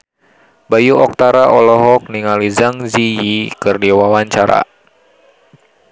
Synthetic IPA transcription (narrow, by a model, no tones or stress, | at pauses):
bajuɔk̚t̪aɾaʔɔlɔɦɔk̚niŋalizaŋzijikɨrdiwawaɲt͡ʃaɾa̰